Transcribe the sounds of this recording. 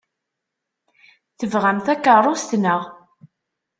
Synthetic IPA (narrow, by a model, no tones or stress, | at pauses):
θəvʁæmθækːərˤːost̪nəʁ